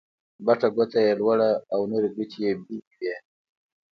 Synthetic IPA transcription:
baʈ͡ʂaɡot̪ajelwaɽaːwnoɾeɡit͡ʃijebikje

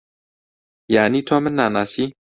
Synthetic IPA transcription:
janiːt̪ʰomɨnːaːnaːsi

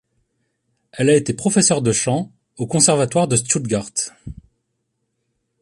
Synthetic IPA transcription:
ɛlaet̪epχɔfɛsœʁd̪əʃɑ̃ | okɔ̃sɛʁvat̪waʁd̪əst̪ud̪ɡaʁt̪

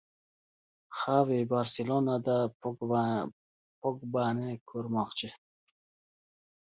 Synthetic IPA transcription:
χavibaɾsilɔnad̪a | pʰɔk̚banekʰuɾmɔχt͡ʃʰi

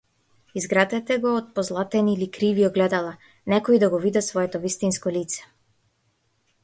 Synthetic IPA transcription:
izɡɾat̪ɛt̪ɛɡɔːt̪̚pɔzlˠat̪ɛnilikɾiviɔɡlɛd̪alˠa | nɛkɔid̪aɡɔvid̪ɛsvɔɛt̪ɔvist̪inskɔlit̪sɛ̥

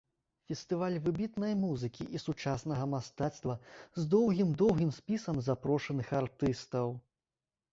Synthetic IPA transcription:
fʲɛst̪ɨvalʲvɨbʲit̪nɐjmuzɨkʲiʔisut͡ʂasnɐɣɐmast̪at̪st̪vɐzd̪ɔwɣʲimd̪ɔwɣʲimsʲpʲisɐmzapɾɔʂɐnɨxart̪ɨst̪ɐw

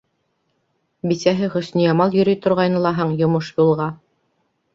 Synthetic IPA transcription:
bisæɦɘχɵ̆snijɑmɑlˠjɵ̆ɾijt̪ŏɾʁɑjnɤ̆lˠɑɦɤɴjŏmoʃjulˠʁɑ

